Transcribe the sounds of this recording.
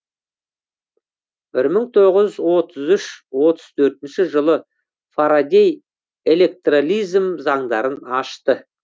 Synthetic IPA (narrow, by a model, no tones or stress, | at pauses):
b̥ɪɾməɴt̪ʰo̞ʁəzzwo̞t̪ʰəzʏʃwo̞t̪əz̥t̪ʰɵɾt̪ɪnʃɪʒəlˠə | faɾad̪ʲe̞j | e̞lʲe̞k̚t̪rolʲijzmzɑɴd̪ɑɾənɑʃt̪ə